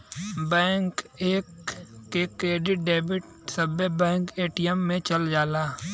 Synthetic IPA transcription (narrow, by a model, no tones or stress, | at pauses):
bɛ̃ːŋkeːkːekɾeːɖɪʈ̚ɖeːbɪʈ̚ | səbebɛ̃ːŋkeːʈijɛmːẽt͡ʃəld͡ʒaːlaː